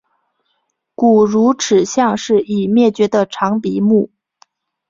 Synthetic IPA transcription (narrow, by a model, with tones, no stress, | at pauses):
ku˨˩ɻu˧˥ʈ͡ʂʰɻ̩˨˩ɕjɑ˥˧ŋʂɻ̩˥˩i˨˩mjɛ˥˩t͡ɕɥɛ˧˥d̪ə˧ʈ͡ʂʰɑ˧˥ŋpi˧˥mu˥˩